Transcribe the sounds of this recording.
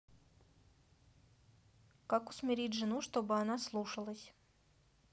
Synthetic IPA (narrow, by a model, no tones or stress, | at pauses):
kakʊ̥smʲɪɾʲitʲʐɨnuʂt̪o̞bɨanaslˠuʂəlˠəsʲ